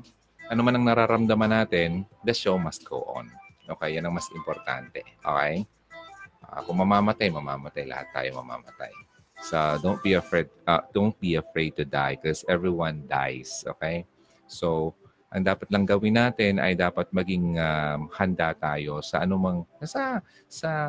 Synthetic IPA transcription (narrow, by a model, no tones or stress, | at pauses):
ʔɐnomanɐŋnɐɾaɾɐmd̪ɐmɐnːaːt̪ɛnd̪ɐʃowmɐs̚ɡ̥o̰ːʔo̰nʔoːkɛjːɐnɐŋmɐst̪ɪmpoɾt̪a̰nt̪ɛʔo̰ːkɛj | ʔa̰kʊŋmɐmaːmɐt̪ajmɐma̰ːmɐt̪ajlɐ̰ha̰t̪ːa̰ːjomɐ̰ma̰ːmɐt̪a̰j | sɐd̪ownt̪̚biɐfɹɛd̪̚ɐ̰d̪ont̪̚biɐfɹejd̪̚t̪ʊd̪ajkosʔɛvɹiwand̪a̰jsʔo̰ːkej | sow | ʔɐŋd̪aːpɐt̪lɐŋɡɐwɪnaːt̪ɛnɐ̰jd̪aːpɐt̪̚mɐɡɪŋamhɐnd̪at̪aːjo̞sɐʔɐnʊmɐŋkɐsa | sɐ